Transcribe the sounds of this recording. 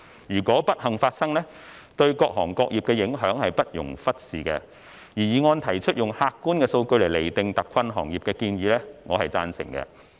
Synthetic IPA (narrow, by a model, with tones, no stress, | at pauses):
jyː˨˩kɔː˨˥pɐ˥t̚hɐ˨ŋfaː˧t̚sɐ˥ŋlɛː˥ | t̪ɵ˧ɥkɔː˧k̚ɦɔː˨˩ŋkɔː˧k̚jiː˨p̚kɛː˧jɪ˨˥ŋɦœː˨˥ŋhɐ˨jpɐ˥t̚jʊ̰˨˩ŋfɐ˥t̚siː˨kɛ̰˧ | jiː˨˩jiː˨˩ŋɔː˧nt̪ʰɐ˨˩jt͡ʃʰɵ˥t̚jʊ˨ŋhaː˧kːuː˥nkɛː˧so˧wkɵ˧ɥle˨˩jle˨˩jt̪ɪ˨ŋt̪ɐ˨kʷʰːɐ˧nɦɔ̰ː˨˩ŋjiː˨p̚kɛː˧kiː˧nɥyː˨˧lɛː˥ŋɔː˨˧hɐ˨jt͡saː˥nsɪ˨˩ŋkɛ̰˧